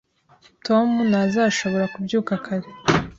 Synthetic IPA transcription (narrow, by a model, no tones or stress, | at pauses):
tʰomunazaʃo̞βo̞ɾakubjuːkakʰaɾe